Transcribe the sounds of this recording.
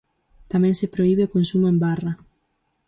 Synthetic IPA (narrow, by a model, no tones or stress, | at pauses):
t̪amɛ̃ŋsepɾoiβeokonsumoembarɐ